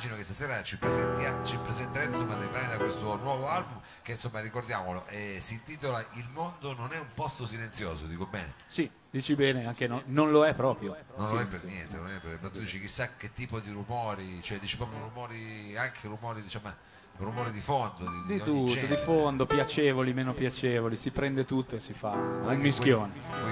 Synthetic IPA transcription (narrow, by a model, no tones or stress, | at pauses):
mad͡ʒinokest̪asɛːɾat͡ʃipːɾezɛnt̪jat͡ʃipːɾezɛnt̪aɾainsomːad̪epɾaːnid̪akwest̪onwɔːvoalbum | k̟ensomːaɾikord̪jaːmoloʔɛsint̪iːt̪̬olaʔilmond̪ononɛumpɔst̪osilent̪sjoːzod̪iːkobɛːnḛ | si | d̪iːt͡ʃibɛːneaŋk̟enononloɛpːɾɔːpɾjonõnloɛpːenjɛnt̪enonɛpːepɾt̪ːud̪iːt͡ʃik̟isːakːet̪ːiːpod̪iɾumɔːɾit͡ʃoɛd̪iːt͡ʃipɾɔːpɾjoɾumɔːɾiaŋkʰerumɔːɾid̪it͡ʃamːa | rumɔːɾid̪ifond̪od̪id̪iut̪ːod̪ifond̪opjat͡ʃeːvolimeːnopjat͡ʃeːvolisipɾɛnd̪et̪ut̪ːoesːifaummːiskjoːne